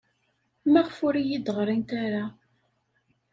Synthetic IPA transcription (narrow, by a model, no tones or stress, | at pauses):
mæʁfʊɾijid̪əʁɾˤint̪aɾa